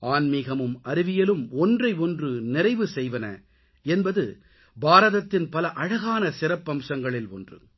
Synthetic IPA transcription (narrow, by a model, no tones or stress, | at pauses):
ʔaːnmɪɣɐmɯmɐɾɪʋɪjɐlɯmɔndrɐɪɔndrɯnɪrɐɪʋɯsɛjʋɐnɐ̰ | ɛnbɐðɯ | baːɾɐðɐt̪ːɪnpɐlɐʔɐɻɐɣaːnɐsɪrɐpːɐmsɐŋɡɐɭɪlɔ̰ndrɯ̰